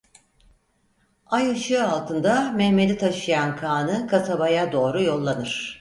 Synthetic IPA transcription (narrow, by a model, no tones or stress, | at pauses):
ajɯʃɯalˠt̪ʰɯnd̪amɛhme̞d̪ʲit̪ʰaʃɯjankʰaːnɯkʰasabajad̪o̞ːɾujo̞lˠːanɯɾ̥